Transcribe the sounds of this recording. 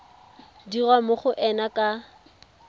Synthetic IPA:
dirwamʊχʊʔɛnakʼa

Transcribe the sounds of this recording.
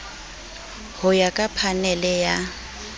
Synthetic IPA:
hʊjakʼapʰanɛlɛja

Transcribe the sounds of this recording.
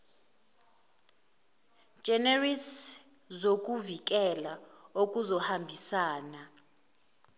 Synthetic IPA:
d͡ʒʒ̥ʱɛneris | zok̬ʼuvik̬ɛlaok̬ʼuzɔhambʱisaːna

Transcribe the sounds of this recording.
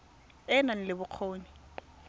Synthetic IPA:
ɛnan̩lɪbʊq͡χʰoːni

